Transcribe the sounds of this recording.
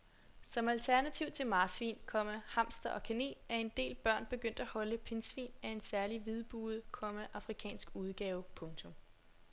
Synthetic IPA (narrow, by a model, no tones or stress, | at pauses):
sɒ̽mælt͡sʰæɐnæt͡sʰiʊt͡sʰe̝lmɑ̈ːsʋḭːnkʰɒ̽m̰əhɑ̈m̰sd̥ɐʔɒ̽kʰene̝̰ːæɐe̝nd̥e̝̰ːlb̥ɶɐ̰nb̥e̝ɡ̥øn̰d̥æhɒ̽ləpʰe̝nsʋḭːnæe̝nsæɐliʋið̞ˠb̥uːð̩ˠkʰɒ̽məʔɑ̈fʁikʰɛ̰ːnsɡ̥uð̞ˠɡ̥ɛːʊpʰɔ̽ŋt͡sʰɔ̽m